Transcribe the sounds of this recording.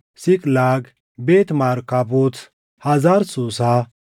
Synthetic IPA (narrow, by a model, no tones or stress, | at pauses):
sɪkʼlaːɡ | beːt̪maɾkɐbut͡s | hɐzaːɾsuːsa